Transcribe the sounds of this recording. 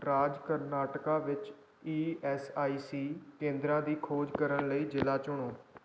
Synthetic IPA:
ɾaːd͡ʒkəɾnaːʈəkãːʋɪt͡ʃ | iːɛːsaːiːsiːkẽːnd̪ɾãːd̪iːkʰoːd͡ʒkəɾəɳləiːd͡ʒɪlaːt͡ʃʊɳoː

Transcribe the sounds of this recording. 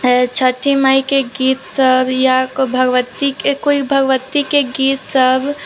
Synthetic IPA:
t͡ʃʰəʈʰimajkeɡiːt̪səbʱjabʱəɡʋət̪ikekoibʱəɡʋət̪ikeɡiːt̪səbʱ

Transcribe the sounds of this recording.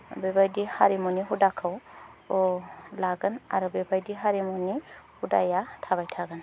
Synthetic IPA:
bebajdihaɾimɔniɦudakʰawɔlaɡɯna̰ɾubebajdiɦaɾimɔnihuda̰jatʰabajtʰaɡɯn

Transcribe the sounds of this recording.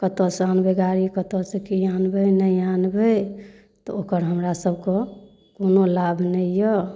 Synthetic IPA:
kət̪ɔsanbeɡaɾikət̪ɔsekianbənəjanbe | t̪ɔ̰okəɾɦəmɾasəbʱkɔ | konolabʱnəjjɔ

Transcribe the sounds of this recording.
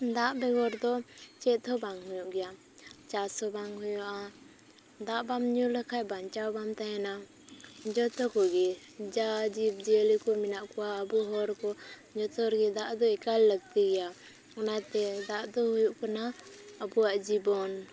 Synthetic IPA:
d̪aʔbɛɡɔɾd̪ɔt͡ʃɛt̪ʰɔbaŋɦujuʔɡɛja | t͡ʃasɔbaŋɦujuʔa | d̪aʔbamɲuləkʰaʔbaɲt͡ʃawbamt̪ajɛna | d͡ʒɔt̪ɔkɔɡɛ | d͡ʒad͡ʒib̚d͡ʒiəlikɔminaʔkɔwaəbuɦɔɾkɔ | d͡ʒɔt̪ɔɾɡɛd̪aʔd̪ɔɛkalləɡ̚t̪iɡɛja | ɔnat̪ɛd̪aʔd̪ɔhujuʔkana | əbuaʔd͡ʒibɔn

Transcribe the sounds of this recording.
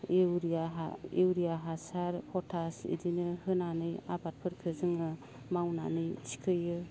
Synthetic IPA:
eɾaewɾiaɦasaɾpʰɔtʰasḭdinɯhɯnanɯja̰bat̚pʰɯɾkʰɯzɯŋɯ | mawna̰nɯjt͡ʃʰi̥kʰɯjɯ

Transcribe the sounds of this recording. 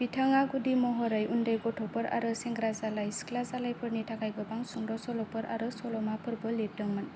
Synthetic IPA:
b̥itʰaŋaɡudimɔɦɔɾajundajɡɔtʰɔpɔɾa̰ɾɯseŋɡɾazalajskʰlazalajpʰɯɾnitʰakajɡɯbaŋsuŋdɔsɔlɔpɔɾʔa̰ɾɯsɔlɔmapʰɯɾbɯlep̚dɯŋmɯn

